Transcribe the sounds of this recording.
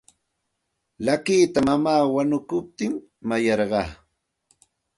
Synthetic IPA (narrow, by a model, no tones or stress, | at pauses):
lakiːt̪amamaːwanʊkʊp̚t̪ɪmː | ajɑɾɢɑ̰ː